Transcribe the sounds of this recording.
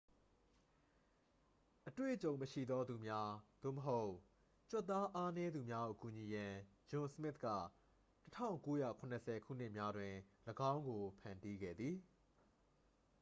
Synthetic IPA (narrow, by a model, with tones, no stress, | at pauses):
ʔətwḛ˦˨ʔt͡ɕõ˨ʊ̃məʃḭ˦˨d̪ɔ˦d̪u˨mja˦d̪̥o̰˦˨məɦo˦ʊʔ | t͡ɕwɔ˦˨t̪ːa˦ʔa˦nɛ˦d̪u˨mja˦o̰˨ku˨ɲi˨jã˨ | jʊ̃˨səmɪ˦t̪̚ka̰˦˨ | tətʰã̰˦˨ʊ̃ŋko˦ja̰˦˨kʰʊ̃˨nəsʰɛ˨kʰṵ˦˨n̥ɪ˦ʔmja˦dwɪ̃˨ləɡã˦ʊ̃ŋɡo˨pʰã˨nti˦ɡɛ̰˦˨d̪ði˨